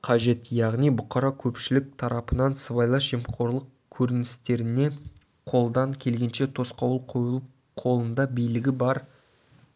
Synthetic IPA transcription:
qʰɑʒe̞t̪jɑʁnijbʊqɑɾɑkʲʰɵpʃɪlɪk̚t̪ʰɑɾɑpənɑnsəβɑjlˠɑʒemqʰo̞ɾlˠəq | kʲʰɵɾɪnɪst̪e̞ɾɪne̞ | qʰo̞lˠd̪ɑŋkʲʰe̞lɡʲe̞nʃe̞t̪ʰo̞sqɑwlˠqʰo̞jəlˠəp | qʰo̞lˠənd̪ɑbijlɪɡʲɪbɑɾ

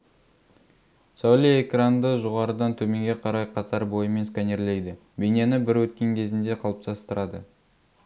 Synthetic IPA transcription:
sowlʲijekrand̪əʒoʁɑɾəd̪ɑnt̪ʰɵme̞ŋɡʲe̞qʰɑɾɑjqʰɑt̪ʰɑɾbo̞jəme̞nskaneɾlejd̪ɪ | benenɪbɪɾwɵt̪̚kʲe̞ŋkʲʰe̞zɪnd̪e̞qʰɑlˠəp̚t̪ʰɑst̪əɾɑd̪ə

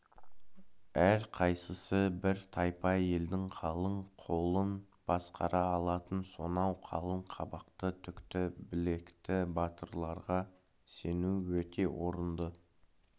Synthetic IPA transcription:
æɾqʰɑjsəsəbɪɾt̪ʰɑjpɑe̞ld̪ɪŋqʰɑlˠəɴqʰo̞lˠən | b̥ɑsqʰɑ̰ɾɑːlˠɑt̪ənso̞nɑwqʰɑ̰lˠəɴqʰɑ̰bɑqt̪ət̪ʰʏkt̪ɪbɪle̞kt̪ɪbɑt̪əɾlˠɑɾʁɑ | se̞nuwɵt̪e̞wo̞ɾənd̪ə

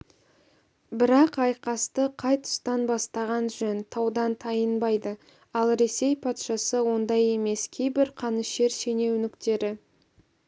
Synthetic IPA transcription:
bɪɾɑqɑjqɑst̪əqʰɑjt̪ʰʊ̥st̪ɑnbɑst̪ɑʁɑnʒɵnt̪ʰɑwd̪ɑnt̪ʰɑjənbɑjd̪ə | ɑlˠɾe̞se̞jpʰɑt̪ʃɑsəwo̞nd̪ɑje̞me̞skʲʰe̞jbɪɾqʰɑnəʃe̞ɾse̞ne̞wnɪkt̪e̞ɾɪ

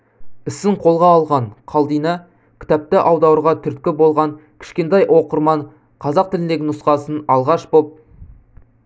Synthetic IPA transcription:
ɪsɪɴqʰo̞lˠʁɑːlˠʁɑɴqʰɑlˠd̪ijnɑ | kʲʰɪ̥t̪æp̚t̪ɪʔɑwd̪ɑwəɾʁɑt̪ʰʏɾt̪̚kʲɪbo̞lˠʁɑŋkʲʰɪ̥ʃkʲe̞nt̪ɑjʔo̞qəɾmɑɴ | qʰɑzɑq̚t̪ɪlɪnd̪eɡʲɪnʊsqɑsənɑlˠʁɑʃbop̚

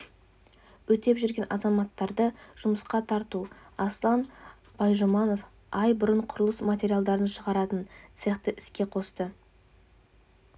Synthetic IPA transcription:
wɵt̪e̞pʒʏɾɡʲe̞nʔɑzɑmɑt̪ːɑɾd̪əʒ̥ʊməsqɑt̪ʰɑɾt̪uɑslˠɑn | b̥ɑjʒomɑno̞f | ɑjbʊɾəɴqʰʊɾəlˠəsmat̪ʲe̞ɾijalˠd̪ɑɾənʃəʁɑɾɑt̪ənt̪seχt̪əʔɪskʲe̞qʰo̞st̪ə

